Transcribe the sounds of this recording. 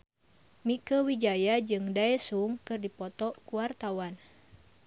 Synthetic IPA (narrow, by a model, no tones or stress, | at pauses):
mikəwid͡ʒajad͡ʒɨŋdaɛsuŋkɨrdipɔt̪ɔkuwart̪awan